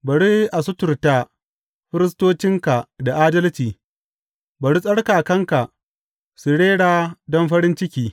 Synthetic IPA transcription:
bɐ˨ɽi˦ʔa˨sʊ˦tʊ˨rta˦ | ɸɪ˦ɾɪ˦s̬toː˦t͡ʃɪ˦ŋka˨da˨ʔaː˦dɐ˦lt͡ʃiː˨ | bɐ˨ɽi˦sʼɐ˦ɽkaː˨kɐ˦ŋka˨ʔ | sʊ˨ɽeː˦ɽaː˦dɔ˦mɸɐ˦ɾɪ˦nt͡ʃɪ˦kʲiː˨

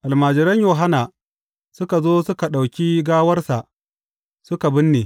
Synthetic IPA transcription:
ʔa˨lmaː˨d͡ʒɪ˨ɾɐ˦ɲjoː˨ɦa˦naː˨ | sʊ˦ka˨zoː˦sʊ˦ka˨ɗa˨wkʲiː˦ɡaː˦wɐ˦rsa˨ʔ | sʊ˦ka˨bɪ˦nːeː˨

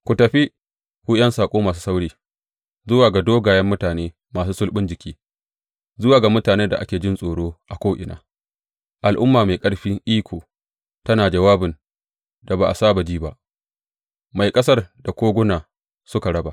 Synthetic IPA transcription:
kʷʊ˨tɐ˨ɸi˦ | kʷu˦jɐ˦nsaː˨kʷʼoː˦maː˨s̬u̥˦sa˦wɽiː˦ | zʊ˦waː˨ɡa˨doː˦ɡaː˨jɛ˦mːʊ˦taː˨neː˦ | maː˨s̬uː˦sʊ˦lɓɪ˦nd͡ʒɪ˨kʲiː˦ | zʊ˦waː˨ɡa˨mʊ˦taː˨neː˦da̰˨ʔa̰˦kʲeː˨d͡ʒɪ˦nsʼoː˨ɽoː˦ʔa˨kʷoː˦ʔɪ̰˨na̰ː˦ | ʔa˨lʔʊ˦mːaː˨ma˨kʼɐ˦ɽɸi˦ŋʔiː˦kʷʰoː˨ | tɐ˦naː˨d͡ʒɐ˨waː˦bɪ˨n | da˨ba˨ʔa˨saː˦ba˨d͡ʒiː˦ba˦ʔ | ma˨jkʼɐ˦sɐ˦rda˨kʷoː˦ɡʷʊ˦naː˨ | sʊ˦ka˨ɽɐ˦ba˨ʔ

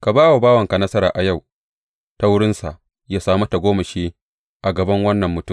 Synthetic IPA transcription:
ka˨baː˦wa˨baː˦wɐ˨ŋka˨nɐ˦sɐ˦ɾaː˨ʔa˨ja˦˨w | ta˦wʊ˦ɽɪ˦nsa˨ʔ | jaː˦saː˦mɐ˦ta˨ɡʷoː˦mɐ˨ʃeː˦ | ʔa˨ɡɐ˨bɐ˦ŋwɐ˦nːɐ˨mːʊ˨tʊ˦˨

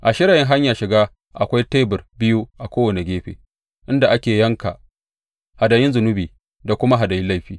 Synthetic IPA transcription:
ʔa˨ʃɪ˦ɽaː˨jɪ˦ŋɦa˦ɲjaː˨ʃɪ˨ɡaː˦ | ʔa˨kʷa˦jteː˦bʊ˨rbɪ˦ju˦ʔa˨kʷoː˦wɐ˨ne˨ɡʲeː˦ɸḛː˨ | ʔɪ˦nda˨ʔa˦kʲeː˨jɐ˦ŋka̰˨ | ha˨da˨jɪ˦nzʊ˨nʊ˦biː˨ | da˨kʷʊ˦ma˦ɦa˨da˨jɪ˦la˦jɸiː˦

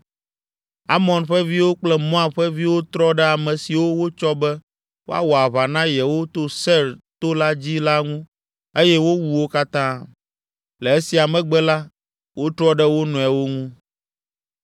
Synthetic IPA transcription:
a˦mɔ̃˨nɸɛ˦vi˦wo˦k͡plɛ˦mɔ̃˦a˨ɸɛ˦vi˦wo˦t̪ɾɔ˦ɖɛ˦a˨mɛ̃˨si˨wo˦wo˦t͡ʃɔ˦bɛ˦ | wo˦a̰˦wɔ˨a˨βa˨nã˦jɛ˨wo˦t̪o˦sɛ˦˨ɾt̪o˦la˦d͡ʑi˦la˦ŋũ˦ | e˦jɛ˦wo˦wu˨wo˦ka˦t̪ã˦ | lɛ˨e˦si˨a˨mɛ̃˨ɡ͡bɛ˦la˦ | wo˦t̪ɾɔ˦ɖɛ˦wo˦nɔ̃˨ɛ˨wo˦ŋũ˦

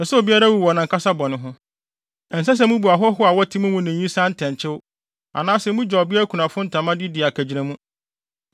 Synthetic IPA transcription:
nɛ˨sɛ˦o˨bi˦a˦ɾa˦wu˦˨wɔ˨nã˨ŋkʰa˦sa˦bɔ˨nɪ̃˨ɦʊ̃˦ | ɛ˨n̩˨s̬a˦s̬ɛ˨˦mũ˦bu˨a˨ɦɔ˦ɦʊ˦a˨wɔ˦tʰĩ˦mũ˦mũ˦nɪ̃˨ɲĩ˦sã˦n̩˦tʰɛ̃˨ɲ˨t͡ɕʰɪ˦wʊ˦ | a̰˨nãː˦sɛ˨mũ˦d͡ʑᶣɔ˨bɪ˦a˦kʰu˨nã˨fʊ̃˦n̩˦tʰã˨mã˦dɪ˦dɪ˨a˨kʰæ˨d͡ʑi˨ɾã˨mũ˦

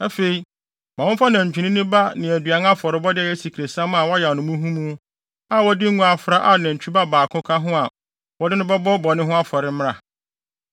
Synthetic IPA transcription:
ɛ˦fe˨i˨ | mã˨wʊ̃˦fa˦nã˨ɲ̩˨t͡ɕᶣu˨nɪ̃˦nɪ̃˦ba˦nɪ̃˨æ˨dɥa˨˦n˦a˦fɔ˨ɾɪ˦bɔ˦dɪ˦˨ɛ˦si˨kʰɾe˨sã˦mã˨wɔ˦ja˨nʊ̃˨˦mʊ̃˦ɦũ˦mũ˦ | a˨wɔ˦dɪ˦ŋ̩˦ũ˦a˨fɾa˦ʔa˨nã˨ɲ̩˨t͡ɕʰᶣu˦ba˦baː˨kʰʊ̃˦kʰa˦ɦʊ̃˦a˨ | wɔ˨˦dɪ˦nʊ̃˦bɛ˦bɔ˦bɔ˨nɪ̃˦ɦʊ̃˦a˦fɔ˨ɾɪ˦m̃˦ɾa̰˨

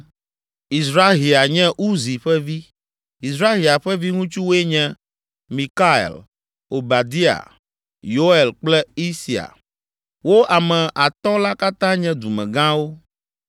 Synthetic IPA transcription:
i˨sɾa˦ɦi˨a˨ɲɛ̃˦ʔu˦zi˨ɸɛ˦vi˦ | i˨sɾa˦ɣi˨a˨ɸɛ˦vi˦ŋũ˦t͡ʃu˦wo˦e˦ɲɛ̃˦ | mĩ˨ka˦ḛ˨l | o˨ba˨d̪i˦a̰˨ | jo˦e˨lk͡plɛ˦i˦si˨a̰˨ | wo˦ʔa˨mɛ̃˨ʔa˨t̪ɔ̃˦la˦ka˦t̪ã˦ɲɛ̃˦d̪u˨mɛ̰̃˨ɡã˦wo˦

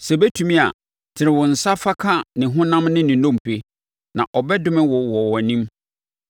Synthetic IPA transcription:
sɛ˨bɛ˦tʰu˨mĩ˦a˨ | tʰɪ˨ɾɪ̃˨wʊ̃˨n̩˨sa˦fa˦kʰa˦nɪ̃˨ɦʊ̃˦nã˦mnɪ̃˦nɪ̃˨nɔ̃˦˨m˨pʰe˦ | nã˨ʔɔ˨bɛ˦dʊ˦mɪ̃˦wɔ˨wɔ˨wɔ˨nĩ˦m

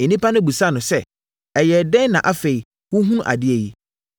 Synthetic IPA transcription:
e˨nĩ˦pʰa˦nʊ̃˦bu˨sa˦˨nʊ̃˨sɛ˦˨ | ɛ˨jɛ˨dɛ̃˦n˦nã˨ʔa˦fe˨i˨ | wʊ˦ɦũ˦ñ˦ʔa̰˨dɪ˦ɛ˨ji˦

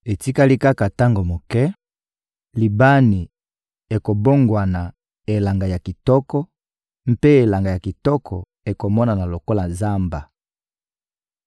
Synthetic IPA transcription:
e˨ti˦ka˦li˦ka˦ka˨ta˦ŋɡo˨mo˨kɛ˦ | li˨ba˦ni˨ | e˨ko˨bo˦ŋɡwa˨na˨ | e˨la˨ŋɡa˨ja˨ki˨tɔ˦kɔ˦ | m̩˦pe˦e˨la˨ŋɡa˨ja˨ki˨tɔ˦kʰɔ˨ | e˨ko˨mɔ˦na˨na˨lo˨ko˦la˨za˦mba˨

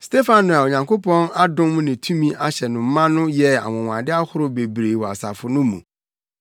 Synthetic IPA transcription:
ste˦fã˨nnʊ̃˨a˨o˨ɲã˨ŋko˦pʰɔ̃˦na˦dʊ̃˦mʊ̃˦nɪ̃˨tʰũ˦mĩ˦ʔa˦ɕɛ˨nʊ̃˨m̩˦mã˦nʊ̃˦jɛ˦a̰˨wɔ̃˨wʷã˨dɪ˦a˦hʊ˦ɾʊ˦be˨bɾe˨wɔ˨a̰˨sa˨fʊ˨nʊ̃˦mṵ̃˨

